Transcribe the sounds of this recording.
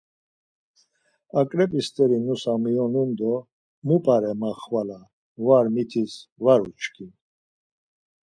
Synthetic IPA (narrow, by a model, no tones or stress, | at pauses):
akʼɾɛpʼist̪ʼɛɾinusamijɔnumd̪ɔ | mupʼaɾɛmaχvala | vaɾmit̪ʰisvaɾut͡ʃkʰin